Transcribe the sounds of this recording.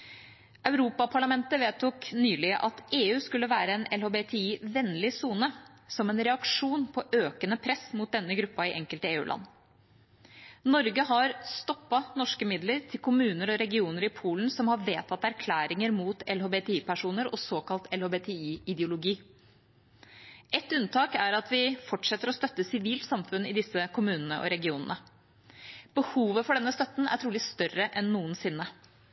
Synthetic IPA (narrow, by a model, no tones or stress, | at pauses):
ʔɑʉɾuːpɑpʰɑɭɑmɛnt̪əʋeːt̪ʊːknyːlɪəʔɑt̪ʔeːʉːskʉlːəʋæːɾəenɛlhoːbeːt̪ʰɛiːʋɛnlɪsuːnə | sɔmɛnɾɛɑkʂuːnpʰɔʔøːkənəpʰɾɛsmʊt̪̚d̪ɛnːəɡɾʉpːɑɪʔɛŋkəlt̪əeːʉ̰ːlʔɑ̰nː | nɔɾɡəɦɑɾst̪ɔpːɑnɔʂkəmɪd̪ləɾt̪ʰɪlkʰʊmʉːnəɾɔɾɛɡɪuːnəɾɪpʰuːln̩sɔmhɑʋeːt̪ʰɑt̪æɾkʰlæːɾɪŋəɾmuːt̪ɛlhoːbeːt̪ʰɛiːpæʂuːnəɾɔsoːkɑlt̪ɛlhoːbeːt̪ʰɛiːɪd̪jʊlʊɡiː | ʔɛt̪ʉnt̪ʰɑːkæɾɑt̪ʰʋɪfɔʈʂɛt̪ːəɾɔst̪œt̪ːəsɪʋiːlt̪sɑmfʉnːɪd̪ɪsəkʰʊmʉːnənəʔɔ̰ɾɛɡɪuːnənə | b̥əhuːʋəfɔɖɛnːəst̪œt̪ːn̩æ̰ʈʰɾuːlɪst̪œrːəʔɛnːuːənsɪnːə